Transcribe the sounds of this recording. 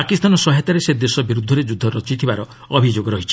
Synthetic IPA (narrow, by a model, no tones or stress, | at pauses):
akist̪anɔsɔɦet̪aɾesed̪esɔbiɾud̪ʱːɔɾed͡ʒud̪ʱːɔɾɔt͡ʃit̪ʰibaɾɔː | bʱid͡ʒoɡɔɾɔɦit͡ʃʰi̥